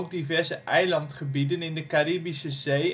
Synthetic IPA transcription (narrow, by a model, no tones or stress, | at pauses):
k̚divɛrzəʔɛjlɑntχəbidənɪndəkaɾiːbisəzej